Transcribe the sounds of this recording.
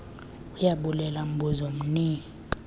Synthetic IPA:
ujaɓulɛlam̩buzom̩niːŋi

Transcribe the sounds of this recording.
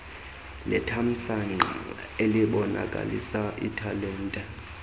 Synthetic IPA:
lɛtʰam̩san | eliɓɔna̰kʼa̰lḭsaʔḭtʰalɛːntʼɛ

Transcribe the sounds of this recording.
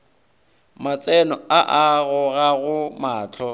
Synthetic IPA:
mat͡sʼɛnɔaʔaɣʊɣaɣʊmaːt͡ɬʰɔ

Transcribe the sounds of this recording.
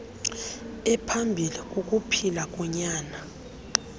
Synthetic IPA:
ɛpʰambʱilikʼukʼupʰilakʼɔɲaːna

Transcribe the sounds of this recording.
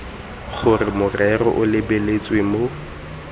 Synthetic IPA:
χʊrɪmʊrɛrɔ̰ʔʊlɪbelet͡sʼwemo

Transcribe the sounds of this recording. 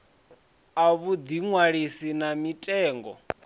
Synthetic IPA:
aβud̪iŋwaɺisinamitʼɛːŋɡɔ̰

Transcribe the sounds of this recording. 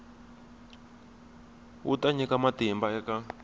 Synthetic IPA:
ṵtaɲɛkamatimbaɛka

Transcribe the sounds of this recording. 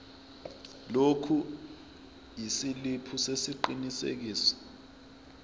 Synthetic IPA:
lokʰu | jisilipʰusesiǃinisḛk̬iːsɔ̥

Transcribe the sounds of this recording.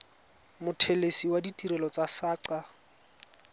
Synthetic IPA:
mʊtʰelesiwaditʼiɾɛlɔt͡sasaːǀa

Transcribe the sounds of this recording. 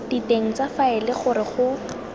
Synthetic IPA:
d̥iteŋ̩t͡safaɪlɪχʊɾɪχʊ

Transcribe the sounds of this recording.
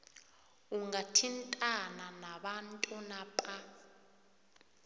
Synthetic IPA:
uŋatʰintʼananaɓantʼunapʼa

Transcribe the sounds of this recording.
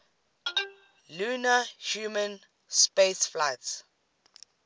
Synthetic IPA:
lunahjuːmə̃n | spesflajts

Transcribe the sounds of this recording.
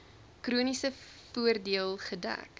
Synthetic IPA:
krunisə | fuərdiəlˠχədæ̰k

